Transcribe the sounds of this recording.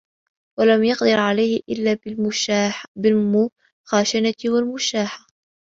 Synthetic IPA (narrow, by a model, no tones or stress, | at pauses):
walamjɑqd̪ɑɾʕalajhɪʔɪ̰lːaː | bɪlmʊ | xaːʃanawalmʊʃaːħa